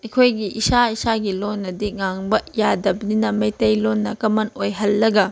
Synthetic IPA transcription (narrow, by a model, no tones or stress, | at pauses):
ɐkʰojɡiʔisaisaɡilonːɐdiŋaŋbɐjadɐbninɐmɐjtɐjlonːɐkɐmɐnojɦɐlːɐɡɐ